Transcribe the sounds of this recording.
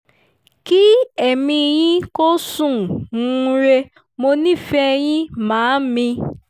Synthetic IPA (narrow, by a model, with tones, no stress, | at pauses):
ki˦ɛ˦˨mĩ˧j̃ĩ˦ko˦sũ˦˨ũ˦ɾe˧ | mo˧nĩ˦˨fɛ˦˧j̃ĩ˦mãː˨˦mĩ˧